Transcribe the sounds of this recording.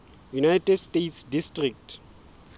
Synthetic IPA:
junajtɛdstetsdistrik̚tʰ

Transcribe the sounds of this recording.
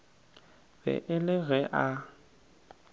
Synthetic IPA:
bɛ̰ʔɪlɪɣɛʔa

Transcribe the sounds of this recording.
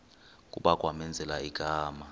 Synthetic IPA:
k̬ʼṵɓakʼwamɛnd͡zʱɛlaiɡ̥ʱaːma

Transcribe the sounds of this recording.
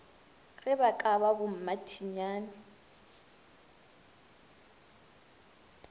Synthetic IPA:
ɣɪbakʼaβabʊm̩matʰiɲaːnɪ

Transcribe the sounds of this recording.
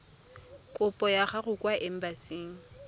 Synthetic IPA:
kʼʊpʼɔjaχarʊkʼwaʔɪm̩basiːŋ̩

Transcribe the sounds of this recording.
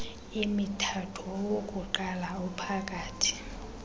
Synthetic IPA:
imitʰatʰɔwokʼuǃalaupʰakʼaːtʰi̥

